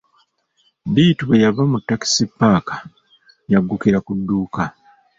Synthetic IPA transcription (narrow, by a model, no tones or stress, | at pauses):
diːtuβejaβamutːaki̥sipːaːkḁ | jaɡːukiɾakudːuːka